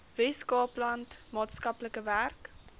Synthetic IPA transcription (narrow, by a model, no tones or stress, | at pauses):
vɛskɑːplɐntmɑːtskɐpləkəværk